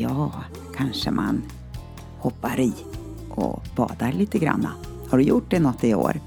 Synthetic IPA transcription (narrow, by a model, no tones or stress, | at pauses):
jɑː | kʰanʂəmʔan | hɔpːaɾiː | ʔɔ̰b̥ɑːd̪aɭiːt̪əɡɾa̰nːa | haɖɵjʊʈ̚ːd̪ɛnɔt̪ːɪo̰ːɾ